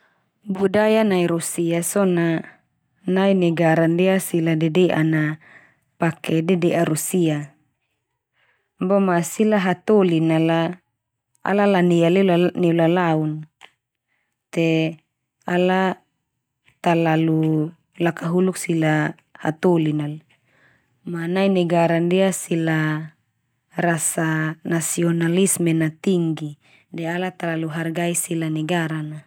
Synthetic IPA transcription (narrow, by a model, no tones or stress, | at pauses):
budajanaiɾusiasɔna | nainɛɡaɾandeasiladedeʔa̰na | pakɛdɛdɛʔaɾusia | bɔmasilaɦat̪olinala | a̰lalanealianiulalaun | t̪e | ala | t̪alalu | lakaɦuluk̚sila | ha̰t̪olinala | manainɛɡaɾandiasila | rasanasiɔnalismenat̪iŋɡi | dɛalat̪alaluɦarɡaisilanɛɡaɾana